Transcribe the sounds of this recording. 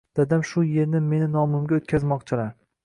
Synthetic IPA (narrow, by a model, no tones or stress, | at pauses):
d̪̥ad̪amʃʊje̞ɾnɪme̞nɪnɒmʊmɡʲaot̪̚kʲʰazmɒqt͡ʃʰɪlaɾ